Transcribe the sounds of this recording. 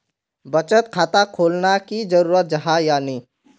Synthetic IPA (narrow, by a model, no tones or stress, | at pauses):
bət͡ʃət̪kʰaːt̪akʰoːlnakizəɾuːɾət̪̚d͡ʒɐɦajaːniː